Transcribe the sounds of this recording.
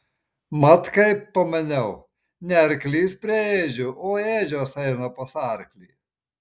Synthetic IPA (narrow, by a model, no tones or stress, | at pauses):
mɐt̪kɐɪpɐmʲɐnʲɛʊ | nʲɛɐɾklʲiːspʲɾʲɛeːʒʲʊʔoːeːʒʲosɐɪnopɐsɑːɾklʲḭː